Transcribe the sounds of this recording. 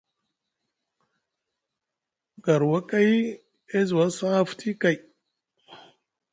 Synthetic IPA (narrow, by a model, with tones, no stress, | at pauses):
ɡa˨ɾwa˦ka˦j | e˦zwa˦sa˦ftʰi˦ka˨j